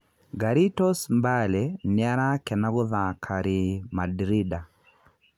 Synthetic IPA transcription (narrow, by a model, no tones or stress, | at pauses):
ɡaɾitɔsmbalɛnɪaɾakɛnaɣʊðakʰaɾimadɾida